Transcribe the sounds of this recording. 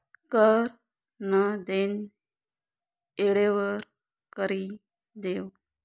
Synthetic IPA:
kəɾ | nəd̪en | eɽeʋəɾ | kəɾi | d̪ew

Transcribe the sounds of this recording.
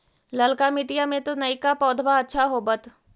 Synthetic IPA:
lɐlkamiːʈijamẽt̪onɐikapɔːd̪ʱbaɐtːʃʰaɦobɐt̪

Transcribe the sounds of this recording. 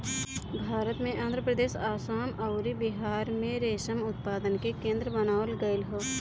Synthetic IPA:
bʱaːɾət̪mẽʔãːnd̪ʱɾəpɾəd̪eːʃaːsaːmɐʊɾibɪɦaːɾmẽɾeːʃəmʊt̪̚paːd̪ənkekẽːnd̪ɾəbənaːwəlɡəlɦoː

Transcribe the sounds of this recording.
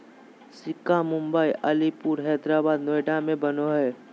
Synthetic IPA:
sɪkamʊ̃mbəiʔəlipuːɾɦɛːd̪ɾaːbaːd̪noːjɖamẽbɐnoɦɛː

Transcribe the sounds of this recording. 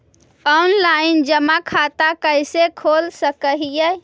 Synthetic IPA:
ɔnlaind͡ʒəmakʰat̪akəjsekʰolsəkəɦije

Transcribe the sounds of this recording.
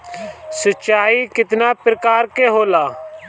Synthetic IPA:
sətːt͡ʃaːiːkɪt̪naːpɾəkaːɾkeːɦoːlaː

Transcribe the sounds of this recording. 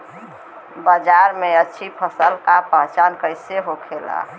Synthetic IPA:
bəd͡ʒaɾmeətːʃʰipʰəsəlkapəɦt͡ʃankəɪseɦokʰela̰

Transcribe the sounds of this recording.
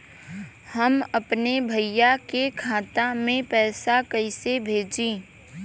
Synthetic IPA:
həmɐpnebʱəijakekʰaːt̪amẽpɛːsakəɪsebʱeːd͡ʒĩː

